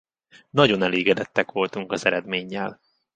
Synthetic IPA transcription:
nɒɟo̞nɛleːɡɛd̪ɛt̪ːɛkʋo̞lt̪uŋkɒzɛɾɛd̪meːɲːɛl

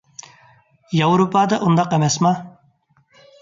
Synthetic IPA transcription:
jɑwɾupʰɑːd̪ɑʔund̪ɑqɛmɛsmɑ

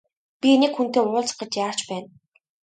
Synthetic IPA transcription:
pʲinekxun̥t̪eːʊːɮt͡sɢə̆t͡ɕjaːr̥t͡ɕpæːn

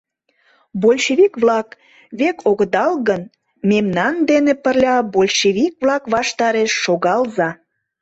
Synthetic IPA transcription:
bolʲʃeβikβlɑk | βekʰoɣəd̪ɑlɣən | memnɑnd̪enepərlʲɑbolʲʃeβik̚βlɑkβɑʃt̪ɑɾeʃːoɣɑlzɑ

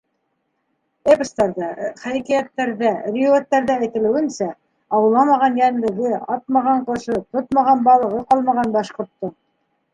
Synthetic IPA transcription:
epə̆st̪ɑɾðɑχæjkæjæt̪ːæɾðærʲiuot̪ːæɾðææjt̪ɘ̆lɘ̆wɘ̆nsæ | ɑwɤ̆lˠːɑmɑʁɑnjænlɘ̆ɡɘɑt̪̚mɑʁɑɴqŏʃɤt̪ot̪mɑʁɑnbɑlˠɤ̆ʁɤqɑlˠmɑʁɑnbɑʃqŏɾt̪ːɤ

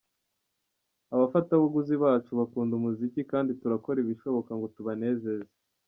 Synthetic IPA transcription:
aβafataβuɡuziβaːt͡ʃuβakuːndumuzicikaːndituɾako̞ɾiβiʃo̞βo̞kaŋɡo̞tuβane̞ːze̞ze

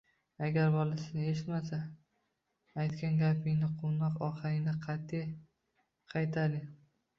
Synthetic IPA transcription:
aɡʲaɾbɒlasɪd̪aeʃɪt̪mas̬a | jt̪kʲanɡʲapʰɪŋnɪqʰonɒqɒχɨɾɪŋnɪqʰɑt̪ʰːi | qʰɑjt̪ʰalɪ

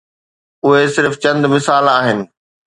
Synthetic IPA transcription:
ʊɦesɪɾft͡ɕɐ̃nd̪mɪsaːlaːɦɪnɪ̆

